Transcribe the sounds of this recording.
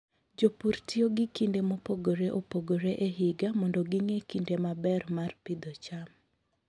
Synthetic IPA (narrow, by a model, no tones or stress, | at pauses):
d͡ʒopuɾtʰioɡikindemopoɡoɾeʔopoɡoɾeʔeɦɪɡamɔndɔɡiŋekindemabɛrmarpid̪ɔt͡ʃam